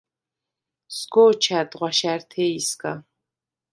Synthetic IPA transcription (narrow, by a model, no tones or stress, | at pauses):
sɡoːt͡ʃʰaːtʼʁʷɑʃartʰeːiskʼa